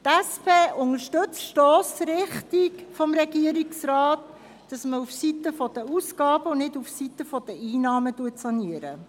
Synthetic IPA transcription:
tɛspʰeːʔʊŋəɾʃtɵt͡sʃtɔːsɾɪχtikfɔmɾɛɡiəɾiksrɑːt | d̥ɑsməufsitəfɔd̥əusɡ̥ɑːb̥əʊnnɪdufsitəfɔd̥əiːnɑːmətuətsɑniəɾə̰

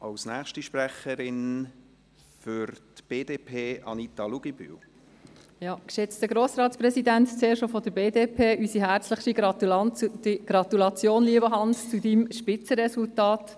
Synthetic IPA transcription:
ʔɑ̰lsnæːχʃtiʃpɾæχəɾɪn | fʏɾtb̥eːdeːpʰeːɑ̰nit̪ɑluɡiby̰w | jɑːkʃɛt͡stəɡɾoːsɾɑːtspɾɛsidænt̪t͡seːɾʃofɔd̥̪əɾbeːdeːpʰeːʔysiɦæɾt͡sləχtiɡɾɑtdiɡ̥ɾɑt̪ulɑt͡sjoːnliəbəɦɑnst͡sudimʃpɪt͡səɾɛsultɑːt

